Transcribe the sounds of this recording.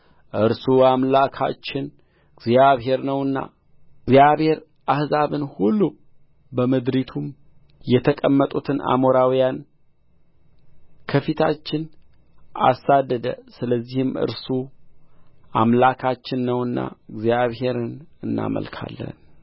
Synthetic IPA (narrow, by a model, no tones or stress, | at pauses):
ʔɨɾsuamlakʰa̰t͡ʃːɪn | ɨɡzijaβɦe̞ɾnəwɨnːa̰ | ɨɡzjaβhe̞ɾ | ʔahzaβɨnhulːu | bəməd̪ɾit̪ʰum | jɛt̪ʰəkʼəmːət̪ʼut̪ʰɨna̰moɾawijan | kʰəfit̪ʰat͡ʃːɪn | a̰sad̪ːəd̪ə̰sɨləzːihɨmɨ̰ɾsu | ʔamlakʰat͡ʃːɪnːəwɨnːa̰ɨɡzjaβhe̞ɾɨnɨnːa̰mə̰lkʰa̰lːə̰n